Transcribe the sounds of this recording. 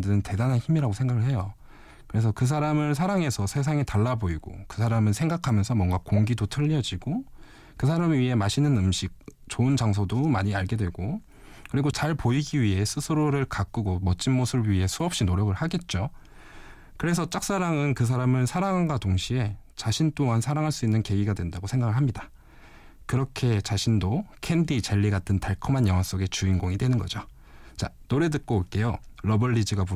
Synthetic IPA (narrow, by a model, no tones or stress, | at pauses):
dɯɯnte̞danɦançimiɾaɡosʰŋɡaɡɯɭɦe̞jo | kɯɾe̞s̬ʰʌkɯsʰaɾamɯɭsʰaɾaŋe̞sʰʌsʰe̞s̬ʰaŋetaɭːaboiɡo̰kɯsʰaɾamɯnsʰe̞ŋɡakʰamjʌnsʰʌmwʌnɡakoŋɡidotʰɯʎːiʌd͡ʑiɡ̥o | kɯs̬ʰaɾamiɥiɦe̞maɕʰinɯnɯmɕʰik̚ | t͡ɕoɯnd͡ʑaŋsʰʌdomaɲiaɭɡe̞dwe̞ɡo | kɯɾiɡot͡ɕaɭpoiɡiɥiɦe̞sʰɯsʰɯɾoɾɯɭkak͈ɯɡomʌt͡ɕ͈ʰinmosʰɯbɥiɦe̞sʰuʌp̚ɕ͈inoɾjʌɡɯɭhaɡe̞t̚t͡ɕ͈o | kɯɾe̞s̬ʰʌt͡ɕ͈ak̚s͈aɾaŋɯnkɯs̬ʰaɾamɯnsʰaɾaŋɦaŋɡatoŋɕʰie̞t͡ɕaɕʰint͈oŋansʰaɾaŋɦaɭs͈uinːɯnke̞ɡiɡadwe̞ndaɡosʰe̞ŋɡaɡɯɭɦamɲida | kɯɾʌkʰe̞t͡ɕaɕʰindokʰe̞ndit͡ɕeʎːiɡatʰɯntaɭkʰʌmanjʌŋɦwas͈oɡe̞t͡ɕuinɡoŋidwe̞nɯnɡʌ̰d͡ʑo | t͡ɕanoɾe̞dɯk̚k͈oːk͈e̞joɾʌbʌɭːid͡ʑiɡapu